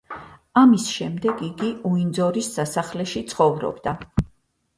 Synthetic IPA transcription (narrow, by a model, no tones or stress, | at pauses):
amisʃɛmd̪ɛɡiɡiuind̪zɔɾisːasaχlɛʃit̪sʰχɔvɾɔ̰bd̪a